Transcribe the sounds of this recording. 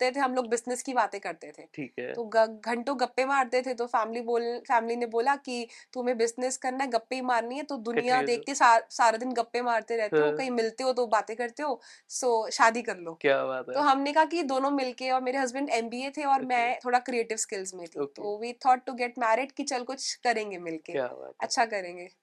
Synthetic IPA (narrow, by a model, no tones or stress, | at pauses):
t̪et̪ʰeɦɐ̃mloːɡ̚bɪsnɪskibaːt̪ẽkɐɾt̪et̪ʰeːʈʰiːkɛ̰t̪oːɡʱɐ̃ɳʈõɡɐpːẽmaːɾt̪et̪ʰet̪ofɛːmliboːlfɛːmlineboːlakit̪umẽbɪsnɪskɐɾnaɦɛɡɐpːeimaːɾniɦɛt̪od̪ʊnijad̪eːk̚t̪esasaːɾad̪ɪnɡɐpːẽmaːɾt̪eɾɛɦt̪eɦõkɐɦĩmɪlt̪eɦot̪̬obaːt̪ẽkɐɾt̪eɦoː | soːʃaːd̪ikɐɾloːkjabat̪oɦɐmnekɐɦak̬id̪oːnõmɪlkeɔːɾmeːɾeɦɐzbə̃ɳɖɛ̃ːmbiːet̪ʰeɔːɾmɛ̃t̪ʰoːɽakɾieːʈɪʋskɪlzmẽt̪ʰit̪oʋiːt̪ʰɔːʈːuɡɛʈmɛːɾɪɖkit͡ʃɐlkʊt͡ʃkɐɾẽːŋɡemɪlkḛɐ̰tːʃʰakɐɾẽːŋɡeː